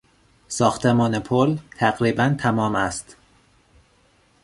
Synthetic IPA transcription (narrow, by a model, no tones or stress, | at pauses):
sɒːxt̪ʰemɒːnepʰolt̪ʰæɣɾiːbænt̪ʰæmɒːmæst̪